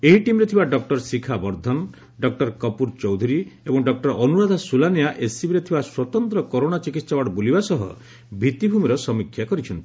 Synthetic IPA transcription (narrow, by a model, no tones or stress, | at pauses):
eɦiʈimɾet̪ʰibaɖɔk̚ʈɔɾsikʰabɔɾd̪ʱɔn | ɖɔk̚ʈɔɾkɔpuɾt͡ʃɔwd̪ʱuɾiebɔŋɖɔk̚ʈɔɾɔnuɾad̪ʱɔsulanijaʔesibiɾet̪ʰibaswɔt̪ɔnt̪ɾɔkɔɾoɽ̃at͡ʃikit̪sawaɽɔbolibasɔɦɔ̰ | bʱit̪ibʱumiɾɔsɔmikʰːjakɔɾit͡ʃʰɔnt̪i